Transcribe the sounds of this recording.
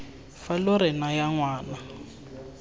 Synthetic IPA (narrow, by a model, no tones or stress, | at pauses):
falʊɾɪnajaŋwaːna